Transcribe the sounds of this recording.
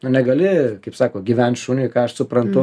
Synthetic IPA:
nʊnʲɛɡɐlʲɪkɐɪpsɑːkoːɡʲɪʋʲɛnt̪ʃunʲʊkɑːɐʃsʊpɾɐnt̪ʊ

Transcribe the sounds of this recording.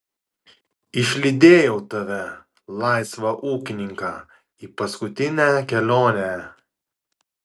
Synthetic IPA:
ɪʃʲlʲɪd̪ʲeːjɛʊt̪ɐʋʲɛ | lˠɑˑɪsʋɐʔuːkʲɪnʲɪŋkɑ̰ː | iːpɐskʊt̪ʲɪnʲækʲɛlʲoːnʲɛ

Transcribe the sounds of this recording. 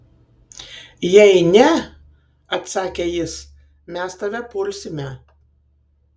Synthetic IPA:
jɛɪnʲɛ | ɐt̪sɑːkʲeːjɪs | mʲɛst̪ɐʋʲɛpʊlʲsʲɪmʲɛ

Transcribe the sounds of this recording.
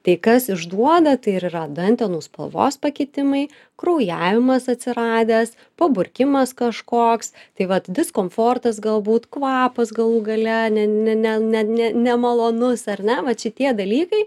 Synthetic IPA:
t̪ɐɪkɐsɪʒd̪uɔd̪ɐt̪ɐɪɪɾirɐd̪ɐnʲt̪ʲɛnuːspɐ̰lˠʋo̰ːspɐkʲɪt̪ʲɪmɐɪ | kɾɐʊjæːʋʲɪmɐsɐt̪ʲsʲɪɾɑːd̪ʲæːs | pɐbʊrʲkʲɪmɐskɐʃkoːkst̪ɐɪʋɐt̪d̪ʲɪskoːmfoːrt̪ɐs̬ɡɐlˠbuːt̪kʋɑːpɐsɡɐlˠuːɡɐlʲɛnʲɛnʲɛnʲɛnʲɛnʲɛnʲɛmɐlˠoːnʊsɐrʲnʲɛʋɐt͡ʃʲɪt̪ʲiɛd̪ɐlʲiːkɐɪ

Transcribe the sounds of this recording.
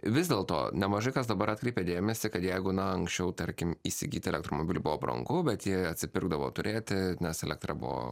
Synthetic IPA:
ʋʲɪzʲd̪ʲeːlˠt̪o̰ːnʲɛmɐʒɐɪkɐsd̪ɐbɐɾɑt̪̚ʲkɾʲɛɪpʲed̪ʲeːmʲɛsʲɪkɐt̪jɛɪɡʊnɐɐŋksʲt͡ʃʲɛʊt̪ɐɾʲkʲɪmiːsʲɪ̰ɡʲḭːt̪ʲɛlʲɛkt̪ɾoːmoːbʲiːlʲuːbʊʋoːbɾɐ̰ŋɡʊbʲɛt̪jiɛɐt̪ʲsʲɪpʲɪrɡd̪ɐʋo̰ːt̪ʊɾʲeːt̪ʲɪnʲɛsɛlʲɛk̚t̪ɾɐbʊ̰ʋo̰

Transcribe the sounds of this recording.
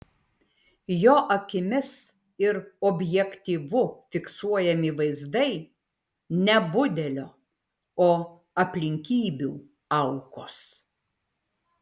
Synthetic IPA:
joːʔɐkʲɪmʲɪs | ɪɾɔbʲjɛkʲt̪ʲiːʋʊfʲɪksuɔjɛmʲɪʋɐɪzd̪ɐɪ | nʲɛbʊd̪ʲɛlʲoː | oː | ɐpʲlʲɪŋʲkʲiːbʲṵː | ɐʊkoːs

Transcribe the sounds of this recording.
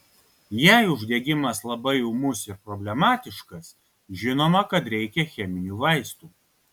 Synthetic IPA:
jæˑɪʊʒʲd̪ʲeːɡʲɪmɐslˠɐbɐɪɛʊmʊsɪɾpɾɔbʲlʲɛmɑːt̪ʲɪʃkɐs | ʒʲɪnoːmɐkɐt̪ɾʲɛɪkʲɛxʲɛmʲɪnʲuːʋɐɪst̪uː

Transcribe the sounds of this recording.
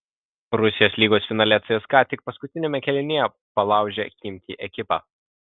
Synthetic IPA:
ɾʊsʲɪjoːsʲlʲiːɡoːsʲfʲɪnɑːlʲɛt̪sɐɪskɑːt̪ʲɪk̚pɐskʊt̪ʲɪnʲɛmʲɛkʲɛlʲɪnʲejɛ | pɐlˠɑˑʊʒʲɛkʲɪmʲt̪ʲḭʔɛkʲɪpɑ̰ː

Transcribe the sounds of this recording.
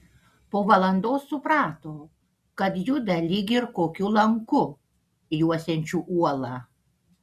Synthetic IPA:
poːʋɐlˠɐnd̪oːsːʊpɾɑːt̪oː | kɐt̪jʊd̪ɐlʲiɡʲɪɾkoːkʲʊlˠɐŋkʊ | juɔsʲɛnʲt͡ʃʲuːʔuɔlˠɑ

